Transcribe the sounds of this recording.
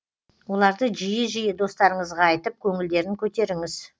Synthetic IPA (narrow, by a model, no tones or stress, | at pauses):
wo̞lˠɑɾd̪əʒijɪʒijɪd̪o̞st̪ɑɾəɴəzʁɑːjt̪əp̚kʲʰɵŋɪld̪e̞ɾɪŋkʲʰɵt̪e̞ɾɪŋɪz̥